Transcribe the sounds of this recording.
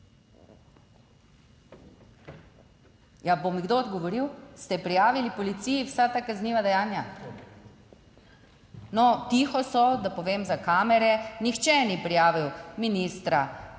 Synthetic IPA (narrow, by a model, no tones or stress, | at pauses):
jabomiɡd̪oːd̪ɡɔʋɔɾiwst̪ɛpɾijaːʋilipɔlit̪siːjiwsat̪akazniːʋad̪ɛjaːnja | nɔt̪ixɔsɔd̪apɔʋeːmzakaːmɛɾɛnixt͡ʃɛnipɾijaːʋiwminiːst̪ɾa